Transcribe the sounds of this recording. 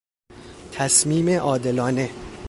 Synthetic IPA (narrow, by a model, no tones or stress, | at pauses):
t̪ʰæsmiːme̞ʔɒːd̪e̞lɒːne̞